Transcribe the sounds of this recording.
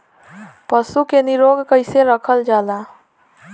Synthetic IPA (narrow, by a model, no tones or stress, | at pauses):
pəsukeniɾoɡkəɪseɾəkʰəld͡ʒad̪a